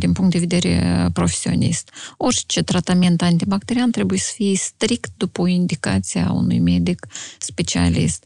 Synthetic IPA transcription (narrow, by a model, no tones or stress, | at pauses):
d̪inpuŋkt̪d̪e̞ve̞d̪e̞ɾḛpɾo̞fe̥sio̰nḭst̪o̞rʲt͡ʃe̞t̪ɾat̪ament̪ant̪ibakt̪e̞ɾiant̪ɾe̞bujesə̥fijest̪ɾikt̪̚d̪upoind̪ika̰t̪sia̰ṵnṵjme̞d̪ikspe̞t͡ʃia̰lḭst̪